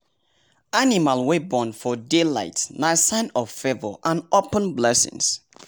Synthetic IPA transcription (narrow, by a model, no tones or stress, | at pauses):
animalwebɔ̃nfɔdela̰ɪtnaɪsãnɔv̥fɛvɔ̰ʔãnopə̃nblɛsɪ̰̃ŋs